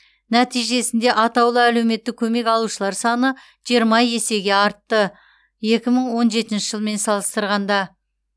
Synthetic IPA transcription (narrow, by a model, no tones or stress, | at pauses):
næt̪ijʒe̞sɪnd̪e̞ʔɑt̪ɑwlˠəæle̞wme̞t̪ːɪk̚ʲʰɵme̞kɑlˠuʃəlˠɑɾsɑnə | ʒ̥ijəɾmɑje̞se̞ɡʲe̞ɑɾt̪ːə | je̞kʲɪməɴwo̞nʒe̞t̪ɪnʃɪʒəlˠme̞nsɑlˠəst̪əɾʁɑnd̪ɑ